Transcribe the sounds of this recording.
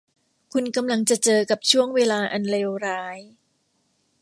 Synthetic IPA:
kʰu˧nka˧mla˧ŋt͡ɕa˨˩ʔt͡ɕɤː˧ka˨˩p̚t͡ɕʰu˥˩əŋweː˧laː˧ʔa˧nleː˧wɾaː˦˥j

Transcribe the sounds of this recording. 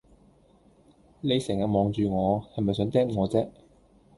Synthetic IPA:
ne˨˧jsɛː˨˩ŋjɐ˨t̚mɔː˨˧ŋt͡ʃyː˨ŋɔː˨˧hɐ˨jmɐ˨jsœː˨˧˥ŋt̪ɛː˥ŋŋɔː˨˧t͡sɛː˥k̚

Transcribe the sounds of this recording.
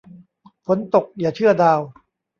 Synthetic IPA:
fʰo˩˦nt̪o˨˩k̚jaː˨˩t͡ɕʰɯ˥˩ɐdaː˧w

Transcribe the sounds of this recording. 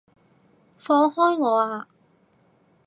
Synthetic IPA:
fɔː˧ŋhɔː˥jŋɔː˨˧aː˧

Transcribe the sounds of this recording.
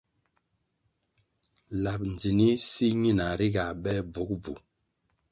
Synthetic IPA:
la˨p̚n˨d͡zi˨ni˦si˦ɲi˦˨na˨ɾi˦ɡa˨bɛ˦b͡vu˨˦k̚b͡vṵ˨

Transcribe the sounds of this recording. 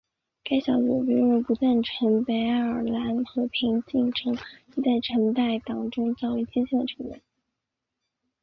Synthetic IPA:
ka˥ɪɕjɑ˧˥ʊt͡su˨˩py˥˧˥ɻu˥˩pu˧˥t̪wa˥˩nʈ͡ʂʰɤ˧˥ŋpe˧˥ɪ˥ə˞˨˩la˧˥nxɤ˧˥pʰi˧˥ŋt͡ɕi˥˩ŋʈ͡ʂʰɤ˧˥ŋi˧˥t͡sa˥˩ɪʈ͡ʂʰə˧˥ŋt̪a˥˩ɪt̪ɑ˨˩ŋʈ͡ʂʊ˥ŋt͡sɑ˥˩ʊwe˧˥ɪt͡ɕi˥t͡ɕʰi˥˩ŋnd̪ə˩ʈ͡ʂʰɤ˧˥ŋnə̰˧˩˦n

